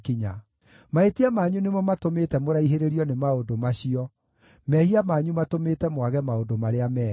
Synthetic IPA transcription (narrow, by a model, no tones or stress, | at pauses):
kiɲa̰ | maetiamaɲunemɔmatomeːtɛmoɾaiɦeɾeɾiɔnemaodomaɕiɔ | mɛhiamaɲumatomeːtɛmwaɣɛmaodomaɾeamɛ